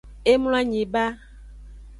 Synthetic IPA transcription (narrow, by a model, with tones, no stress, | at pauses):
e˦mũ˦la˦ɲĩ˨ba˦